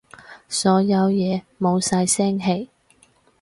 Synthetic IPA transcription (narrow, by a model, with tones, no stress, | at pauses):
sɔː˨˥jɐ˨˧wjɛː˨˧ | mo˨˧wsɐ˧jsɛː˥ŋɦe˧˩j